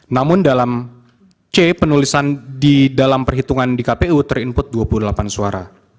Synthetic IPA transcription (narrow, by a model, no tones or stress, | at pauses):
namʊndalam | t͡ʃepənulisandidalampərɦit̪uŋandikapeut̪ərimpʊt̪̚duapululapansuaɾa̰